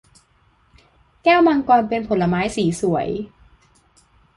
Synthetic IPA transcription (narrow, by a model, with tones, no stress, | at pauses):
kɛː˥˩wma˧ŋkɔː˧npe˧npʰo˩˦nla˧maː˦˥jsiː˩˦su˨˩˦əj